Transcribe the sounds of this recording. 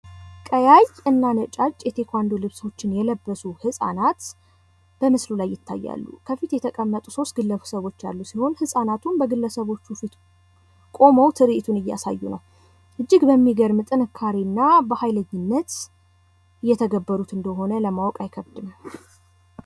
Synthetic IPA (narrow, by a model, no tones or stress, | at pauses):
kʼəjajɨnːanət͡ʃʼat͡ʃʼːjɛt̪ʰe̞kʰʷand̪olɨβso̞t͡ʃːɪnjɛləbːəsuhɨsʼa̰nat̪ | b̥əmɨslulajːɪt̪ʰːa̰jːa̰lːṵkʰəfit̪jɛt̪ʰəkʼəmːət̪ʼuso̞st̪̚ɡɨlːəsəβo̞t͡ʃːa̰lːusiho̞nhɨsʼanat̪ʰunbəɡɨlːəsəβo̞t͡ʃːufit̪ | kʼo̞məwt̪ʰɨɾɨʔit̪ʰunɨjːa̰sa̰jːunə̰w | ʔɨd͡ʒːɪɡbəmːiɡəɾmɨt̪ʼɨnɨkʰːaɾinːabəhajləɲːɪnːət̪ | ɨjːɛt̪ʰəɡəbːəɾut̪ɨnd̪əɦo̞nələmawkʼajkʰəβd̪ɨnə